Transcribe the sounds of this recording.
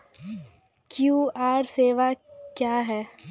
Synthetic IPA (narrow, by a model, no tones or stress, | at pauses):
kjuːaːɾseːʋakjaːɦɛː